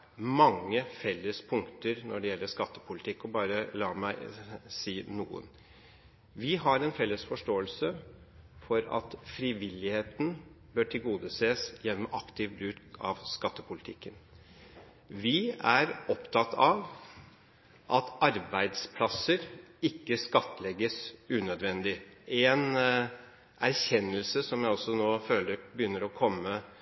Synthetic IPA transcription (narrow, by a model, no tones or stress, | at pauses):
mɑŋːəfɛlːəspʰʊŋkt̪əɾnɔɖɛjɛlːəʂkɑt̪ːə̥pʰʊlɪt̪ʰɪkːɔbɑːɾəlɑːmæɪsiːnuːə̰n | ʋɪɦɑɾɛnfɛlːəsfɔʂʈoːəlsə | fɔɾɑ̰t̪fɾɪʋɪlːɪheːt̪n̩ | bøːʈʰɪlɡuːd̪əseːsjɛnːɔmɑkt̪ʰɪʋbɾʉːd̪ɑ̰ʋskɑt̪ːəpʰʊlɪt̪ʰɪkːən | ʋɪæɾɔpt̪ʰɑt̪ʰːɑʋ | ʔɑt̪ɑɾbæɪd̪spʰlɑsəɾɪkːəskɑt̪ːəlɛɡəsʉːnœd̪ʋɛnd̪ɪʔɛn | ʔæɾçɛnːəlsəsɔmjæɪɔsːɔnoːføːləɾbəjʏnːəɾɔkʰɔmːə